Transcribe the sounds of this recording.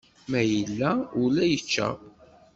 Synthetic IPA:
mæjəlːæulæjət͡ʃːæ̰

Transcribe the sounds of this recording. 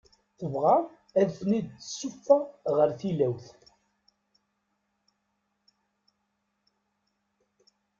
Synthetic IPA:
θəvʁa | æðθnid̪̚t͡sːə̥sːʊfːaʁəɾθilæwθ

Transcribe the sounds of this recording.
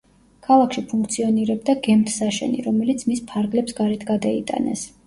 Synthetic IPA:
kʰalˠakʰʃipʰuŋk̚ʰt̪sʰiɔniɾɛb̚d̪aɡɛmt̪ʰsaʃɛ̰nḭɾɔmɛlit̪sʰmispʰaɾɡlɛpsɡaɾɛt̪ʰɡad̪ait̪ʼa̰nɛ̰s

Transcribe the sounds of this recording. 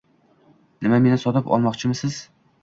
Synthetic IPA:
nɪmame̞nɪsɒt̪ɪpɒ̰lˠmɒqt͡ʃʰɪmɪsɪz̥

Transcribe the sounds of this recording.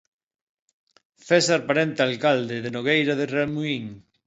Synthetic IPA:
fesaɾpaɾent̪ealkald̪eðenoɣejɾaðeramuiŋ

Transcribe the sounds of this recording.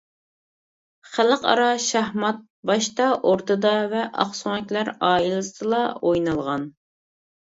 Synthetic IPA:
χæləqɑ̰ɾɑʃæhmɑt̪̚ | bɑʃt̪ɑʔoɾt̪ɨd̪ɑvɛʔɑ̰χsuŋɛkʲlæɾɑːilˠɨsɨlˠɑojnɑlˠʁɑn

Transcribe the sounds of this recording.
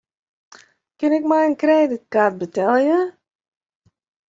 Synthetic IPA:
kɪnɪk̚mɛjənkrɛːdɪt̚kat̚bətɛləjə

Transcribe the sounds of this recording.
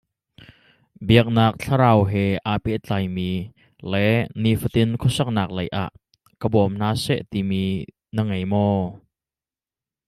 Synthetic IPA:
biək̚naːk̚t͡ɬʰaɾaːwɦɛʔaːpɛʔt͡ɬaːjmiː | lɛʔnifət̪ɪnkʰɔsɐk̚naːk̚lɐjʔa̰ʔ | kəbɔmn̥aːsɛ̰ʔt̪imiː | nəŋejmɔː

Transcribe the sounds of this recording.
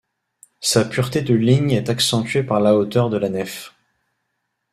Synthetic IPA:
sapyʁt̪ed̪əliɲɛt̪aksɑ̃t̪ɥepaʁlaot̪œʁd̪əlanɛf

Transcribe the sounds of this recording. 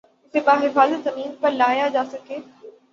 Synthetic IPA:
seɓaːɦɪfaːzət̪zɐmiːnpɐɾlaːjad͡ʑaːsɐkeː

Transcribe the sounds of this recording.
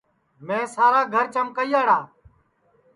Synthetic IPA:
mẽːsaːɾaːɡʱəɾt͡ʃəmkəiːaːɽaː

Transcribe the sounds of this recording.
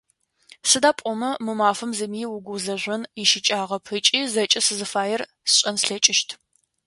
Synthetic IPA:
sɨdaːpʷʼɔmɐmɨmaːfɐmzɨmiːwʊɡʷʊzɐʒʷɐniʃɪt͡ʃʼaːʁɐpʰɨt͡ʃʼiːzɐt͡ʃʼɐsɨzɨfaːjɛr | sɕʼɐnsɬɐt͡ʃʼɪʃtʰ

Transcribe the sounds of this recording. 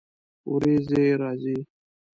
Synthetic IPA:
ṵɾeːzeɾaːzi

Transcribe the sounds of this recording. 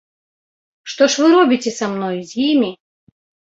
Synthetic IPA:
ʂt̪ɔʂvɨɾɔbʲitʲɛsamnɔjzʲjimʲi

